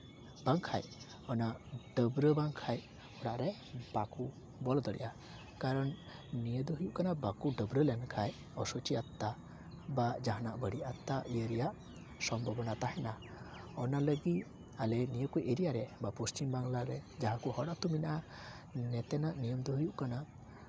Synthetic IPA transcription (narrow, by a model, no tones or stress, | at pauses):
b̥aŋkʰa̰j | ɔnaɖ̥əbɾəbaŋkʰaj | hɔɽaʔɾɛ | baku | bɔlɔd̪ɔɽɛ̰ʔa | kaɾɔnnijəd̪ɔɦəjuʔkanabakuɖəbɾəlɛnkʰaj | ɔsɔt͡ʃiat̪ːa | bad͡ʒaɦanaʔbəɽiʔat̪ːalijəɾɛjaʔ | sɔmbʱɔbɔnat̪aɦɛna | ɔnaləɡit̪ | alɛnijəkuʔeɾijaɾɛbapost͡ʃimbaŋlaɾɛd͡ʒaɦãkuhɔɽaʔt̪uminaʔa | nɛt̪ɛnaʔnijəmd̪ɔɦujuʔkana